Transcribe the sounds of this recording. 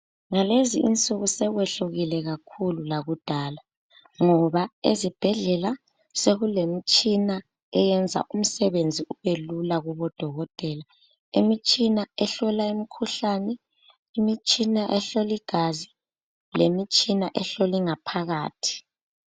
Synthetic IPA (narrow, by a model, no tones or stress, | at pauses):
ŋaleziint͡sʼuɣusɛɣwɛɬuɣilɛɣakʰululaɣud̥ʱaːla | ŋɔβaezib̥ʱɛɮɛla | seɣulemit͡ʃʼina | ɛjɛnd͡zʱa̰ʔum̩sɛβend͡zʱiuβelulaɣuβɔd̥ʱɔɣɔtʼɛːla | emit͡ʃʼinaɛɬɔlaimikʰuɬanɛ | imit͡ʃʼinaʔɛɬoliɡ̥ʱazi | lemit͡ʃʼinaʔɛɬoliŋapʰaɣaːtʰi̥